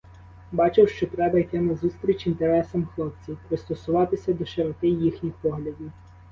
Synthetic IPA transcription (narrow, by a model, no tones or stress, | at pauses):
bɑt͡ʃɪwʃt͡ʃɔt̪ɾɛbɐjt̪ɛmɛzust̪ɾʲit͡ʃʲint̪eɾɛsɐmxlˠɔp̚t͡sʲipɾɪst̪ɔsʊʋɑt̪ɪsʲɐd̪ɔʃeɾɔkɪjːixnʲixpɔɦlʲɐdʲiw